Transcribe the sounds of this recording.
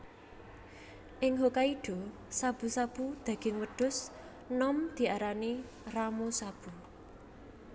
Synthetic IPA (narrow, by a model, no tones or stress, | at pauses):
ʔɪŋɦokaiɖ̥ɔ̤ | sab̥ṳsab̥ud̪̥ä̤ɡ̥ɪŋwəɖ̥ʊ̤s | nɔmd̪̥i̤aɾani | ramusab̥ṳ